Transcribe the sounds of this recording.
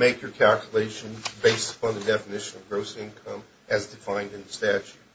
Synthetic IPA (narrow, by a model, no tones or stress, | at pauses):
meɪkjə˞kʰælˠkjəleɪʃɨ̃nbeɪstə̥pʰɑ̃nðɨdɛfɨnɪʃɨ̃nʌvɡɹoʊsɪ̃nkʰʌ̃m | ʔɨzdɨfãɪ̃ndɨ̃nðɨstæt͡ʃʉt̚